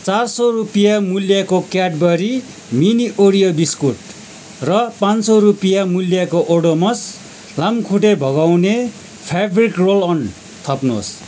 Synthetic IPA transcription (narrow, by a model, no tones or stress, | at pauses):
t͡sarsʌrupijamuljakokjaʈbʌɾi | miniʔoɽijodiskuʈ | rʌpãnsʌɾupijamuljakoʔoɽomʌs | lamkʰuʈebʱʌɡawne | pʰabrikrolʌn | t̪ʰʌpno̰s